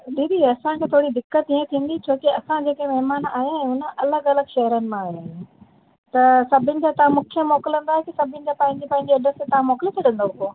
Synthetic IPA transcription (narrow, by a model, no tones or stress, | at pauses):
ɗiːd̪iɐsãkʰeːt̪ʰoːɽid̪ɪkːət̪ĩẽt̪ʰĩːnd̪it͡ɕʰoːkiɐsãd͡ʑeːkemɐɦɪmaːna̰ːɦjãɛ̃ʊnə̆ʔɐləɡɐləɡʃɐɦəɾənɪ̆mãaːɦaːe | t̪ɐsɐbʱɪnɪ̆d͡ʑat̪ɐʋãmʊkʰijəmɔːkɪlə̃nd̪aːɦekisɐbʱɪnɪ̆d͡ʑapɐ̃ɦɪ̃ɲd͡ʑipɐ̃ɦɪ̃ɲd͡ʑiɐɖəɾset̪ɐʋ̤ãmɔːkɪlet̪ʰeɗə̃nd̪oʊkoː